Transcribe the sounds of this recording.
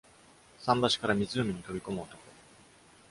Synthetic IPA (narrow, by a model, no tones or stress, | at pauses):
sãmbaɕi̥kaɾamʲizɨomʲiɲ̟it̪o̞bʲiko̞mɯːt̪oko